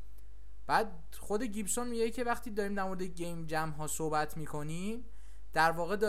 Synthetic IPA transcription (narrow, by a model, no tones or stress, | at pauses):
b̥æːd̪̚ | χo̞d̪e̞ɟibsonmiɟecʰe̞væχt̪ʰiːd̪ɒːɾiːmd̪æɾmoɾed̪eɟejmd͡ʒæmɦɒːsohbæt̪ʰmiːkʰo̞niːm | d̪̥æɾvɒːɣe̞d̪ɒ